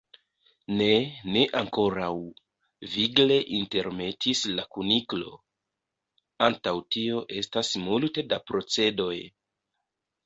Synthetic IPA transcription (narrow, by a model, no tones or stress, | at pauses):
ne̞ne̞ʔaŋko̞ɾaw | viɡle̞ʔinte̞ɾme̞tʰislakuniklo̞̰ | antawtio̞ʔe̞stasmulte̞dapɾo̞t͡se̞do̞j